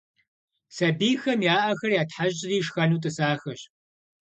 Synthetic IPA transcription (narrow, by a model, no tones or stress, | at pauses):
sɐbiːxɐmjaːʔɐxɐrjaːtħaʑʼɪriːʂxɐnuːtʼɨsaːxɐɕ